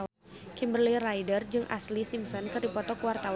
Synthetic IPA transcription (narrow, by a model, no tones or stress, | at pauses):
kimbərlirajdərd͡ʒɨŋʔa̰slisimsɔnkɨrdipɔt̪ɔkuwart̪aw